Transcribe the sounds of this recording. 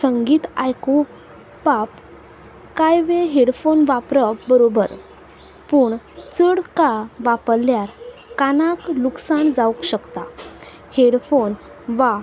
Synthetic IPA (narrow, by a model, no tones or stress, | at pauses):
səŋɡiːt̪ajku | pap | kajʋeɦeɽfonʋapɾəbəɾobəɾ | puːɳ | t͡səɽkaʋapəɾlːjaɾkanakluksand͡zaukɕəkt̪a | heɽfon | ʋa